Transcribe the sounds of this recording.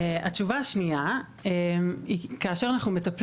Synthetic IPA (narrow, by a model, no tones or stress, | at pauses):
at͡ʃuvaːʃnia | emikaaʃeʁanaχnume̞t̪ɐpl